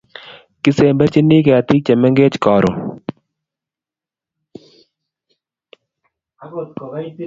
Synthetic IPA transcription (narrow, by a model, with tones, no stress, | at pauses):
kɪ˦seː˨mbɛ˦ɾt͡ʃi˦ni˦k̬ɛ˨a˨t̪i˦t͡ʃɛ˨mɛ˦ŋɡeː˦t͡ʃkaː˨ɾo˨